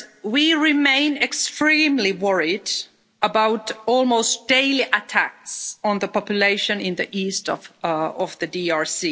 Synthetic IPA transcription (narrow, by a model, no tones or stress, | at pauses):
wiɹɪmẽɪ̃nɨkstɹ̥ĩmliwʌɹid | əbaʊtɔlˠmoʊstd̥eɪliʔətʰæk̚sn̩ðəpɑpjɨleɪʃɨ̃nɪ̃nðiʔistʌvʌvðɨdiɑɹsi